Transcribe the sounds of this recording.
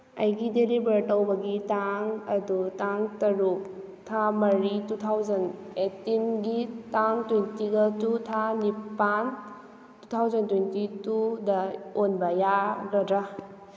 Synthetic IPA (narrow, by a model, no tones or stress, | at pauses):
ɐ̰jɡidelibɐɾtɐwbɐɡitaŋɐdutaŋtɐɾuk | tʰamɐɾitutʰawzɐnetinɡitaŋtwentiɡɐtutʰanipan | tutʰawzɐntwentitudɐonbɐjaɡɐdɾa